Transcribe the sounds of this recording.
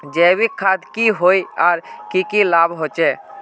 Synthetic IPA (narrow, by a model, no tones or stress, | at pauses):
d͡ʒɛːbikʰːad̪kiɦoːiaːɾkikilaːbɦoːt͡ʃɛː